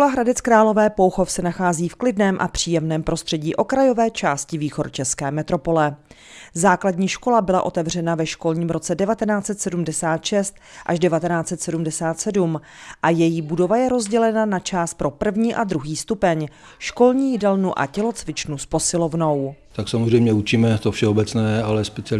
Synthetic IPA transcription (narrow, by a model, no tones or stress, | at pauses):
kolaɦɾadɛt͡skɾaːlo̞vɛːpowxo̞fsɛnaxaːziːfklɪdnɛːmʔa̰pr̝̥iːjɛmnɛːmpɾʔo̞st̪r̝̥ɛɟiːʔo̞kɾajo̞vɛːt͡ʃaːscɪviːxo̞ɾt͡ʃɛskɛ̰ːmɛt̪ɾo̞po̞lɛ | zaːkladɲiːʃko̞labɪla̰ʔo̞t̪ɛvr̝ɛnavɛʃko̞lɲiːmɾo̞t͡sɛdɛvat̪ɛnaːt͡sɛt̪sɛdumdɛsaːt̪ʃɛst̪ʔaʒdɛvat̪ɛnaːt͡sɛt̪sɛdumdɛsaːt̪sɛdum | ʔajɛjibudo̞vajɛɾo̞zɟɛlɛnanat͡ʃaːst̪̚pɾo̞pr̩vɲiːʔadɾuɦiːst̪upɛɲ | ʃko̞lɲiːjɪdɛlnuʔa̰cɛlo̞t͡svɪt͡ʃnuspo̞sɪlovno̞w | t̪aksamozrɛjmɲɛut͡ʃimɛt̪ofʃɛobɛt͡snɛːalɛspɛt͡sɪ